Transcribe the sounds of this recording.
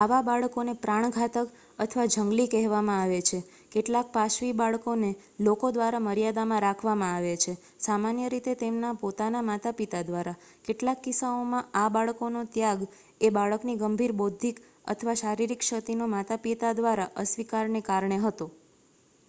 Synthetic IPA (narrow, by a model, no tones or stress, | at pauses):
aʋabaɭkonepɾaɳ̃ɡʱat̪ək | ət̪ʰəʋad͡ʒəŋɡlikɛɦʋamãaʋet͡ʃʰe | keʈlak̚paʃʋibaɭkone | lokod̪ʋaɾaməɾijad̪amãɾakʰʋamãaʋet͡ʃʰe | samanjəɾit̪et̪emnapot̪anamat̪apit̪ad̪ʋaɾa | keʈlakːisaomãabaɭkonot̪jaɡ | ebaɭəkniɡəmbʱiɾbod̪ʱːik | ə̰t̪ʰəʋaʃaɾiɾikʃət̪inomat̪apit̪ad̪ʋaɾaʔəsʋikaɾnekaɾɳeɦət̪o